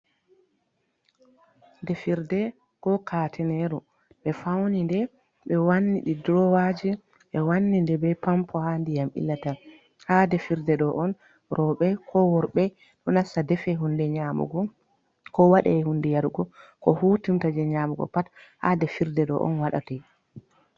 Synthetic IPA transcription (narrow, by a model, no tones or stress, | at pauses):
dɛfiɾdɛ | kɔkʰaːtʰɛnɛɾu | ɓɛfawnindɛ | ɓɛwanːiɗidɾɔwad͡ʒi | ɓɛwanːindɛbɛpampʰɔhandijamʔḭlːata | hadɛfiɾdɛɗɔʔɔn | ɾɔɓɛkʰɔwɔɾɓɛ | ɗɔnasadɛfɛɦundɛɲamṵɡɔ | kɔwaɗɛ̰ɛhundɛjaɾɡɔkɔhuːtintad͡ʒɛɲaːmuɡɔ̰patha̰dɛfiɾdɛɗɔ̰ʔɔ̰nwaɗa̰ti